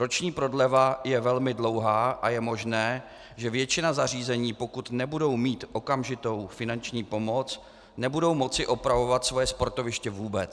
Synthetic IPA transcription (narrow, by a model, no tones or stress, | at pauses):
ɾo̞t͡ʃɲiːpɾo̞dlɛvajɛvɛlmɪdlo̞wɦaːʔajɛmo̞ʒnɛː | ʒɛvjɛt͡ʃɪnazar̝iːzɛɲiːpo̞kut̪nɛbudo̞wmiːt̪ʔo̞kamʒɪt̪o̞wfɪnant͡ʃɲiːpo̞mo̞t͡s | nɛbudo̞wmo̞t͡sɪʔo̞pɾavo̞vat̪svo̞jɛspo̞ɾt̪ovɪʃcɛvuːbɛt͡s